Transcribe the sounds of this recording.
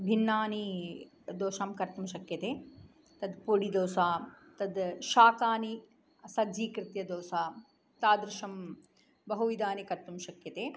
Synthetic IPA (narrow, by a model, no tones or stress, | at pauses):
bʱinːaːni | d̪oːʃaːmkɐɾt̪umʃɐkjɐt̪eː | t̪ɐd̪poɽid̪oːsaː | t̪ɐd̪ʃaːkaːni | ɐsɐɡd͡ʒiːkɾɪt̪jɐd̪oːsaː | t̪aːd̪ɾɪʃɐm | bɐɦuʋid̪aːnikɐɾt̪umʃɐkjɐt̪eː